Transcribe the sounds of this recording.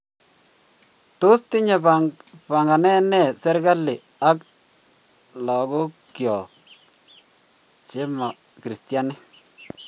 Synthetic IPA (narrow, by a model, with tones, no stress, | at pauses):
tʊ˦stɪ˦ɲe˨pa˨pa˨ŋɡa˨nɛ˦nɛ˦˨sɛ˦ɾɡa˦lːɪ˨ | a˦k | lɔ˨ɡo˦kjɔ˨ | t͡ʃe˦ma˨ | kɾi˨sti˨a˦nɪ˦